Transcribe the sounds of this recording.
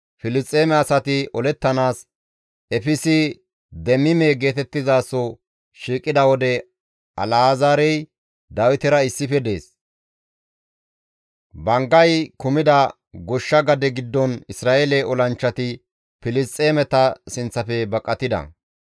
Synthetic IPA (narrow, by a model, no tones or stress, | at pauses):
fɪlɪst̪ʼeːmɛɐsɐt̪ɪʔɔlɛt̪ːɐnaːs | ɛfɪsɪ | d̪ɛmːɪmeːɡe̞ːt̪ɛt̪ːɪzaːsːɔ | ʃiːkʼːɪd̪ɐwɔd̪ɛ | ʔɐ̰laːzaːɾɛj | d̪ɐwɪt̪ɪɾɐɪsːɪfɛd̪e̞̰ːs | bɐŋɡɐjkʊmɪd̪ɐ | ɡɔʃːɐɡɐd̪ɛɡɪd̪ːɔnɪsɾaːʔeːlɛʔɔlɐnt͡ʃːɐt̪ɪ | pɪlɪst̪ʼːeːmɛt̪ɐsɪnt͡sːɐfɛbɐkʼːɐt̪ːɪd̪ɐ̰